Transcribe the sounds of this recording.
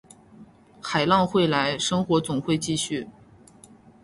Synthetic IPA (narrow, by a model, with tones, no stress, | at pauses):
xa˨˩ɪlɑ˥˧ŋxwe˥˩ɪla˧˥ɪʂɤ˥ŋxwɔ˧˥t͡sʊ˨˩ŋxwe˥˧ɪt͡ɕi˥˧ɕy˥˩